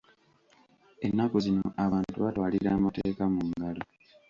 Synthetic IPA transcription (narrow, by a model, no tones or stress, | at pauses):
e̞nːakozinoʔaβaːntuβatwaːliɾaːmateːkamuŋɡalo